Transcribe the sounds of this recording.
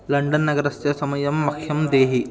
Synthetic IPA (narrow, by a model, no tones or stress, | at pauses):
lɐɳɖɐnːɐɡɐɾɐsjɐsɐmɐjɐmːɐkʰjɐmd̪eːɦi